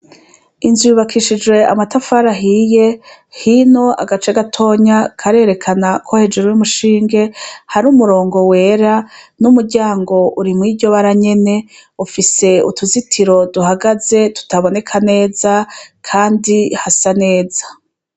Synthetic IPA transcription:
inzuβakʰiʃid͡ʒwe̞a̰matafaɾaɦiːje̞ | hino̞a̰ɡat͡ʃeɡatʰo̞ːɲakʰaɾe̞ːɾe̞kʰanakʰo̞he̞d͡ʒeɾujumuʃiːŋɡe̞haɾumuɾo̞ːŋɡo̞we̞ːɾanumuɾɟaːŋɡo̞ʔuɾimŋiːɟo̞βaɾaɲe̞ne̞ufise̞ṵtuzitʰiɾo̞duhaɡaze̞tu̥taβo̞ne̞kʰane̞ːzakʰaːndihasane̞ːzḁ

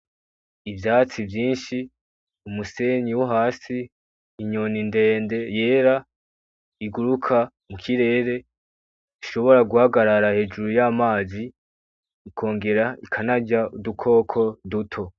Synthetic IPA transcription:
ivjaːt͡sivjiːnʃi | umuse̞ɲiwuɦaːsiː | ɲo̞ninde̞ːnde̞je̞ːɾa | iɡuɾukʰa | mukʰiɾe̞ːɾe̞ | iʃo̞βo̞ɾaɡuhaɡaɾaɾahe̞d͡ʒuɾujaːmaːziː | kʰo̞ːŋɡe̞ɾaikʰanaɟaudukʰo̞ːkʰo̞dutʰo̞

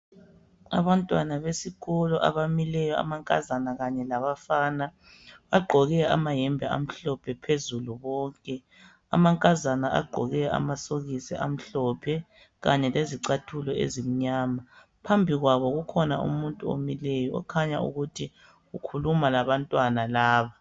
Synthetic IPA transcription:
aβantʼwanaβesiɣɔlɔʔa̰βamilɛjɔa̰maŋkʼa̰zanaɣaɲɛlaβafana | βaɡ͡ǃʱɔɣɛa̰maɦɛmbʱɛa̰m̩ɬɔpʰɛpʰezuluβɔːŋkʼɛ | a̰maŋkʼazanaʔa̰ɡ͡ǃʱɔ̰ɣɛa̰masoɣisɛ̰ʔa̰m̩ɬɔpʰɛ | ɣaɲɛleziǀatʰulɔḛzim̩ɲaːma | pʰambʱiɣwaβɔɣukʰɔna̰ʔṵmuntʼuo̰milɛjɔɔ̰kʰaɲaṵɣutʰi | ɣukʰulumalaβantʼwanalaːβa

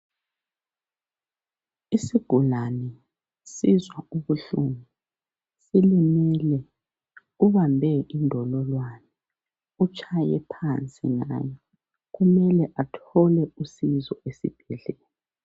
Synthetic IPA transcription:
isiɡ̥ʱulanɛ | sizwauβuɬṵmu | silimilɛ | uβambʱɛʔindʱɔlɔlwanɛ | ut͡ʃʰʼajɛ̰pʰant͡sʼḭŋa̰ːjɛ | ɣumɛlɛʔatʰɔlɛusizɔ̰esḭb̥ʱɛɮɛːlɛ

